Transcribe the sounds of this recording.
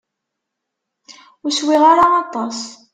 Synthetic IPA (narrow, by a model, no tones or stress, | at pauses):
ʊɾswiʁaɾaːt̪ˤɑs